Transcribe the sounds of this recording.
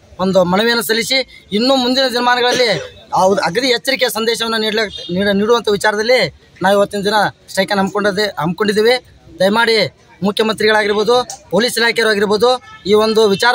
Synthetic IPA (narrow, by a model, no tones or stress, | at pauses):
ond̪umɐnuʋejɐnːɐsɐlisi | inːuːmund̪inɐd̪inɐmaːnɐɡɐɭɐlːi | ɐɡɐt̪iɦet͡ʃːɐɾikɛjɐsɐnd̪ɛːʃɐʋɐnːuniːɽliniːɽuʋɐnt̪ʰɐʋit͡ʃaːɾɐd̪ɐlːi | naːʋiʋɐt̪ːinɐd̪inɐsʈɐjkɐnɐmkoɳɐmbko̞ɳɖid̪eːʋe | d̪ɐjmaːɽi | mukʰjɐmɐnt̪ɾiɡɐɭaːɡiɾboːd̪upo̞ːliːsilaːkɛjɐɾuaːɡiɾboːd̪uiːʋond̪uʋit͡ʃaːɾ